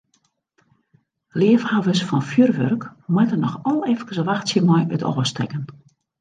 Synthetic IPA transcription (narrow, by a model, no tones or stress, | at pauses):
lɪəfhaːʋəsfɔnfjyrʋørkmwɛtənɔxɔlˠɛfkəsəʋaxtsjəmɔjø̰tʰɔ̰ːəstɛ̰kən